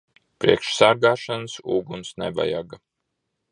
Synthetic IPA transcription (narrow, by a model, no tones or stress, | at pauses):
pɾiɛkʃsaɾɡaːʃansuːɡunsnɛ̰va̰ja̰ɡa